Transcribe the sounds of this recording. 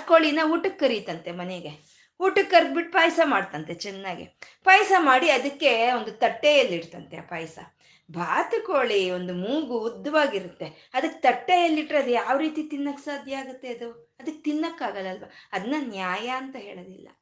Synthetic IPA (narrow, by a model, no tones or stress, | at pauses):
koːɭinɐuːʈukːɐɾit̪ɐnt̪e̞mɐneɡe | uːʈukːɐɾd̪biʈpaːjsɐmaːɽt̪ɐnt̪e̞t͡ʃɛnːaːɡḭpaːjsɐmaːɽiɐd̪ɐkːe̞ond̪ut̪ɐʈːejɐlːiɽt̪ɐnt̪ea̰pɐːjsɐ̰ | bʱaːt̪ɐkoːɭio̞nd̪umuːɡuud̪ːɐʋaːɡiɾut̪ːe̞ | ɐd̪ɐkːet̪ɐʈːejɐlːiʈːɾɐd̪ujaːʋɾiːt̪it̪inːɐkːsaːd̪ʱjɐaːɡut̪ːe̞ɐd̪uɐd̪ɐkːet̪inːɐkːaːɡɐlɐlʋɐɐd̪ɐnːɐnjaːjɐɐnt̪ɐɦeːɭɐd̪ilːɐ̰